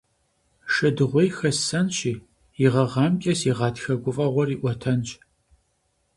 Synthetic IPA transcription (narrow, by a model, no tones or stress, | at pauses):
ʂɐdɨʁʷɔjxɐsɐnɕiː | iʁɐʁɑːmkʲʼɐsiʁɑːtxɐɡʷʊfʼɐʁʷɔriːʔʷɔtʰɐnt͡ʃʼ